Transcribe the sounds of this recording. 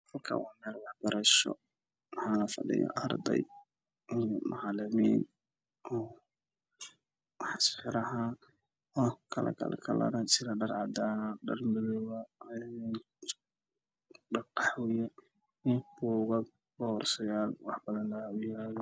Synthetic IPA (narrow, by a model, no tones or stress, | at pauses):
hɐlkʰɐ̰wɑːmɛːlwɑħb̥ɐɾɐʃɔ̰ | wɑħɑːlɐfɐɖɪ̰jɔ̰ʔɐɾd̪ɛ̰j | ijmʔɑʕɑlɐmiːn | ɔː | ħsħɪɾɐɦa | ɔkʰɐlɐ̰kʰɐ̰lʔɐ̰kʰɐlɐ̰ɾɐt͡ʃɪɾɐɖɐrʕɑd̪aɖɐrmɪlɔwɐ | ɖɐqɑħwjɛ | b̥uːɣɐɡ̚ | bɔrsɐjaːlwɑħbɐðɐnaʊjaj